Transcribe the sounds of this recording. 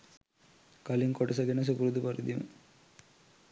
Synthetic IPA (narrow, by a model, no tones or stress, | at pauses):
kɐliŋkɔʈɐs̬ɐɡenɐs̬upuɾud̪upɐɾid̪imɨ̰